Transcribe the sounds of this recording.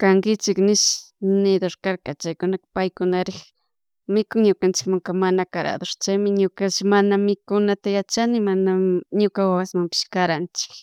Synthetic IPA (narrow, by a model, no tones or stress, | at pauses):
kaŋkɪt͡ʃɪknɪʃnɪd̪oɾkaɾkat͡ʃajkʊnakḁpajkʊnaɾɪx | mɪkʊŋɲʊkant͡ʃɪ̥kmaŋkamanakaɾa̰d̪oɾt͡ʃajmɪɲʊkaʃmanamɪkʊnat̪ajat͡ʃanɪmanaɲʊkawawasmampɪ̥ʃkaɾant͡ʃɪ̥k